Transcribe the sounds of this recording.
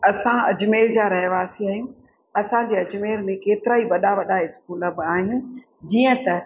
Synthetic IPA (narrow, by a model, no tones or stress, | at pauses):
ɐsãɐd͡ʑmeːɾd͡ʑaːɾɐɦʋaːsiaːijũ | ɐsãd͡ʑeːɐd͡ʑmeːlmẽkeːt̪ɪɾaːiʋɐɗaʋɐɗaɪskuːlɐbaːɦinɪ̆ | d͡ʑiːə̃t̪ɐ